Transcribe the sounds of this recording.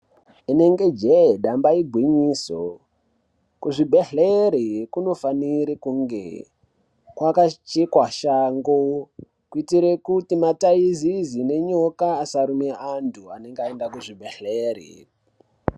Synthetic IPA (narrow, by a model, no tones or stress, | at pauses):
ine̞ŋɡe̞d͡ʒeɗambaiɡʱwiɲiːso̰ | kuʐibʱeɬeɾikuno̞faniɾikuŋɡḛ | kwakat͡ʃikwaʃaŋɡo | kuitiɾe̞kutimataizizine̞ɲokaːsaɾumeantʰuane̞ŋɡaendakuʐibʱeɬeːrḭ